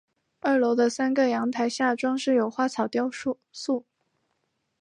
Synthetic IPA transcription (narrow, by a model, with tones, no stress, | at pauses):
a˥˩lo˧˥ʊd̪ə˧sa˥nɡə˨jɑ˧˥ŋt̪ʰa˧˥ɪɕja˥˩ʈ͡ʂwɑ˥ŋʂɻ̩˥˩jo˨˩ʊxwa˥˩t͡sʰɑ˨˩ʊt̪jɑ˥˧ʊ˥ | su˥˩